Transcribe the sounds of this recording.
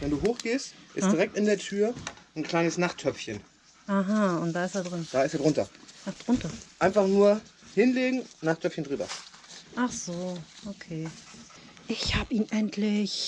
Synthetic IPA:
vɛnduːɦoːxɡ̥eːstʔɪsiʁɛk̚tɪndeːɐtʰyːɐnkʰl̥aɪnəsnaχtʰːœp͡fçən | ʔaɦaʊnt̚d̥aːɪsteːɐdʁɪnd̥aːɪsteːɐdʁʊntɐʔaχd̥ʁʊntɐʔaɪnfaχnuːɐhɪnleːɡŋ̩naχtʰœpfçəndʁyːbɐ̰ʔaχz̥oːʔokʰeː | ʔɪçhaːbəiːnʔɛntʰlɪç

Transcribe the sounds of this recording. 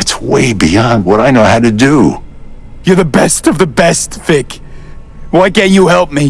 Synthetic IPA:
ɨtswḛɪbḭɑ̃nd̚wʌɾaɪnoʊhaʊɾɨdu | jə˞ðɨbɛstʌvðɨbɛstθɪk | waɪkɨ̃njɨhɛlˠp̚mi

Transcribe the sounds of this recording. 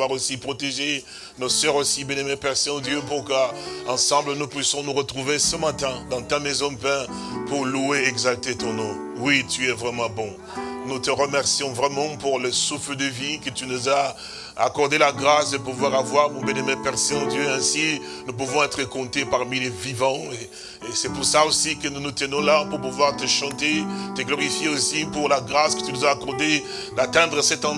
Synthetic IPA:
waʁosipχɔt̪eʒe | nɔsœʁosibjɛ̃nemɛpɛʁsɛ̃õd̪jøpuʁkəɑ̃sɑ̃blənupɥisjɔ̃nuʁət̪χuvesəmat̪ɛ̃d̪ɑ̃t̪amɛzɔ̃pɛ̃ | puʁlueɛɡzalt̪et̪ɔ̃nɔ̃ | wit̪yɛvʁɛmɑ̃bɔ̃ | nut̪əʁəmɛʁsijɔ̃vʁɛmɑ̃puʁləsufləd̪əvikət̪ynuza̰ː | kɔʁd̪elaɡʁasd̪əp̬uvwaʁavwaʁmɔ̃bjɛnɛmɛpɛʁseɑ̃d̪jøɛ̃si | nup̬uvɔ̃ɛt̪χəkɔ̃t̪epaʁmilevivɑ̃e | esɛpuʁsaosikənunut̪ənɔ̃lapuʁpuvwaʁt̪əʃɑ̃t̪et̪əɡlɔʁifjeosipuʁlaɡʁaskə̥t̪ynuzaːkɔʁd̪e | d̪at̪ɛ̃d̪ʁəsɛt̪ɑ̃

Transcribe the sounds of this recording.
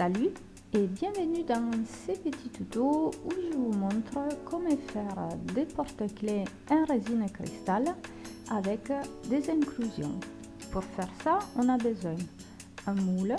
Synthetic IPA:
saly | ɛbjɛ̃vənyd̪ãŋsepət̪it̪ut̪ouʒəvumɔ̃nt̪ɾəkʰɔmɛfɛʁd̪epɔɾt̪əkle | ɛ̃nʁezinkɾḭst̪al | avɛkd̪ezɛ̃ŋklyzjɔ̰̃ŋ | puɾfɛʁsaɔ̃nabəzwɛ̃n | ɛ̃mul

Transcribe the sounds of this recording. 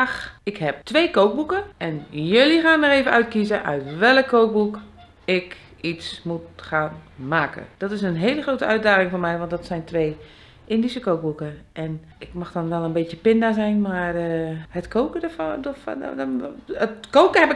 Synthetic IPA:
ɪkhɛp̚tʋeːkowk̚bukəɛnjølixaːnəreːvəœɥtkizəʔœ̰ɥtʋɛlˠəkʰːoːk̚buk | ɪk | itsmut̚xaːnmaːkə̰d̥ɔtɪsənɦeːləxroːtəœɥt̚daːɣɪŋformɛjʋɔ̃ntdɔtsɛjntʋeː | ɪndisəkoːk̚bukəʔɛn | ɪkmaxdɔnʋɛlˠənbeːtjəpɪndazɛjnmarəhətkʰoːkədəfdo̰ | ətkoːkəhɛpɪ

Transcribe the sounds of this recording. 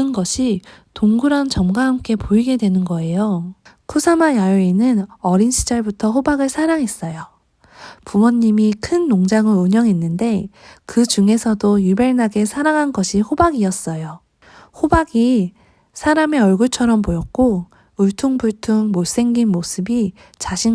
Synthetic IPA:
ɯnɡʌɕʰitoŋɡuɾʌnt͡ɕʌmɡaɦamk͈e̞pʰoiɡe̞dwe̞nɯnɡʌe̞jokʰusʰamajajoinɯnʌɾinɕʰid͡ʑaɭbutʰʌɸobaɡɯɭsʰaɾaŋɦe̞s͈ʌjo | pumʌnːimikʰɯnːoŋd͡ʑaŋɯɭuɲʌŋɦe̞nːɯnde̞kɯd͡ʑuŋe̞sʰʌdojube̞ɭnaɡe̞sʰaɾaŋɦanɡʌɕʰihobaɡiʌs͈ʌjo | hobaɡi | sʰaɾame̞ʌɭɡuɭt͡ɕʰʌɾʌmpojʌk̚k͈o | uɭtʰuŋbuɭtʰuŋmos͈e̞ŋɡinmosʰɯbi | t͡ɕaɕʰi

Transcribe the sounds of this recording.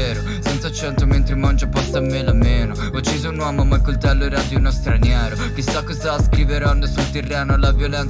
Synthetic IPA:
ɛːɾo | sɛnt̪sat͡ʃːɛnt̪oment̪ɾemand͡ʒapɔst̪aːmːelameːno | ɔt͡ʃːiːzounwɔmomalkːolt̪ɛlːoɛɾad̪iunost̪ɾanjɛːɾo | k̟isakːozaskɾiːveɾɔnd̪asult̪erːɛːnolavjolɛnt̪

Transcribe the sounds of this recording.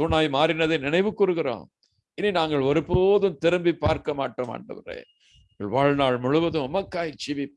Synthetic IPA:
suːnaːjmaːɾɪnɐðɐnɪnɐɪʋɯkːʊɾɯɣɪɾo̰ː | ɪnːinaːŋɡɐɭɔɾɯpːoːðɯmt̪ɪɾɯmbipːaːɾkɐmaːʈːɐma̰ːɳɖɐ̰ʋɐ̰rḛː | ŋɡɐɭʋaːɻnaːɭmʊɻɯʋɐðɯ̃ɔmɐkːaːjt͡ʃiʋi

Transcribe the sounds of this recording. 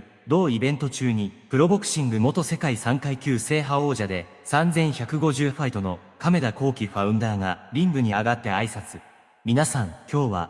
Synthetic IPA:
d̪o̞ːibẽ̞nt̪o̞t͡ɕɨːɲ̟ipɯ̟ɾo̞bo̞kɯ̟̥ɕĩŋɡɯ̟mo̞t̪o̞se̞kaisãŋkaikʲɨːse̞ːɦao̞ːʑad̪e̞ | sãnd͡zẽ̞ɰ̃çakɯ̟ɡo̞ʑɨːɸait̪o̞no̞ | kame̞d̪ako̞ːkʲiɸaɯ̟̃nd̪aːŋaɾʲĩmbɯ̟ɲ̟iaɡat̪ːe̞aisat͡sɨ | mʲinasãŋkʲo̞ːβa̰

